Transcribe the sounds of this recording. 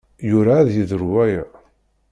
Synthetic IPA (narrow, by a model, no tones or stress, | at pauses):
jʊɾaːðjiðəɾwæjəʕ